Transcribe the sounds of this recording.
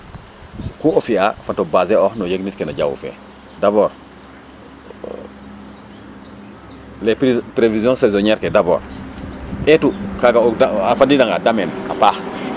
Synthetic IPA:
kuofiafatobaːzeoxnojeɡnitkenaɟa̰wṵfḛ | daboːɾ | leppɾevizjõnsezoɲeɾkedabo̰ːɾ | etukaɡaodaafadidaŋɡadamena̰paːx

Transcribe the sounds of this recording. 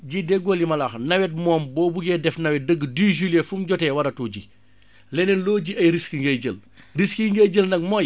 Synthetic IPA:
ɟidɛɡɔljimɐlaːxnɐwɛt̚mɔːmbɔːbuɡɛdɛfnɐwɛt̚dəɡːədiːʒilefumɟɔtɛwɐɾɐtuɟi | lɛnɛnlɔːɟiɐjɾiskiŋɡɐɟəl | riskiŋɡɐɟəlnɐk̚mɔj

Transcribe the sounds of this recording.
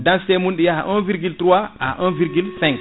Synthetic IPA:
dãnstɛmunɗijahaʔɔ̃nviɾɡiltɾuwaaaʔɔ̃nviɾɡylsɛ̃ŋk

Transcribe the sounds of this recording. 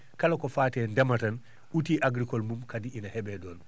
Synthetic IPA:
kalakɔfaːtɛːndɛmatan | utiːʔaɡɾikɔlmumkadiinahɛbɛdɔːn

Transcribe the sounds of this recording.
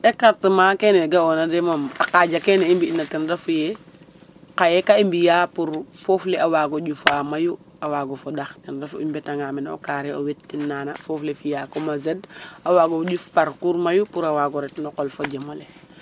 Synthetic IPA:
ekaɾtimaːkeːneɡaonademama̰qaɟakeneimbiinatindafuje | kajekaimbijaːpuɾfoːfleawaːɡoɟufaːmaju | awaːɡofodaxtɛnɾafimbɛtaŋaːmino̰kaɾeowetːinːanafoːflefijaːkomazədawaːɡoɟufpaɾkuɾmajupuɾawaɡɔɾɛtnɔqolfoɟemole

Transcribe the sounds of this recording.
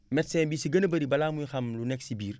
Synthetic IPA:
mɛtsɛnbiːsiɡɐnəbɐɾibɐlaːmujxɐmlunɛksibiːɾ

